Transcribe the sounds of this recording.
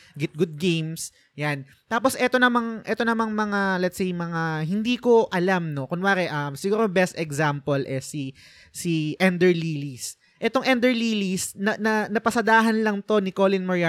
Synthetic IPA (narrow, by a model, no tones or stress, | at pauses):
ɡɛt̪̚ɡʊd̪̚ɡejms | jan | t̪aːpo̞sʔɛt̪o̞nɐmɐŋʔɛt̪o̞nɐmɐŋmɐŋalɛt̪sejmɐŋaɦɪnd̪iːko̞ʔɐlamno̞kʊnwaːɾɛʔɐmsɪɡuːɾobɛst̪ɛɡzampolʔɛsi | siʔɛnd̪ɛɹliːlis | ʔɛt̪o̞ŋʔɛnd̪ɛɹliːlisnɐnɐnɐpɐsɐd̪aːɦɐnlɐŋt̪o̞nɪkolɪnmoɹja